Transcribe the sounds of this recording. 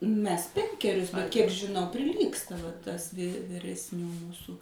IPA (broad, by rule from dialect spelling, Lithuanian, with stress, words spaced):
ˈmʲɛs ˈpʲɛŋʲkʲɛrʲʊs bʲɛt kʲiɛk ʒʲɪˈnɐʊ pʲrʲɪˈlʲiːkstɐ ʋɐ ˈtɐs ʋʲiː ʋʲɪrʲɛsʲˈnʲuː ˈmuːsuː